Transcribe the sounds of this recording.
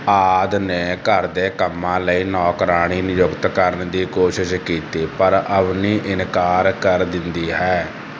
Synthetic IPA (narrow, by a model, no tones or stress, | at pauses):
aːd̪nẽːkəɾd̪eːkəmːãːləiːnɔːkɾaːɽ̃iːnɪjʊkt̪kəɾəɳd̪iːkoːʃɪʃkiːt̪iːpəɾəpniːʔɪnkaːɾkəɾd̪ɪnd̪iːɦɛː